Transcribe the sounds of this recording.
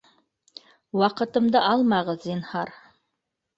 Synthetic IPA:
wɑqɤ̆t̪ɤ̆md̪ɤʔɑlˠmɑʁɤzːinhɑɾ

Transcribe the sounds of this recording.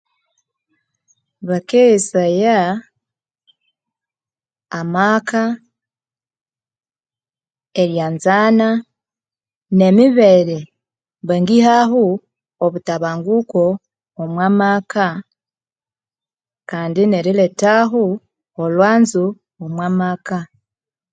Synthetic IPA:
βakeisaja | maːka | eɾjaːnzaːna | ne̞miβeɾe | βaŋɡihaɦu | oβutaβaːŋɡukoː | mwaːmaːkʰa | kaːndineɾiletaɦu | olwaːnzu | omwaːmaːka

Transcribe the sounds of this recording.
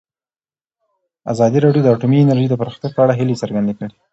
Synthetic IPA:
a̰zɑd̪iɾɑɖjod̪əaʈumiɪnəɾʒid̪əpəɾɑxt̪japəaɽaɦilet͡səɾɡand̪ekəɽe

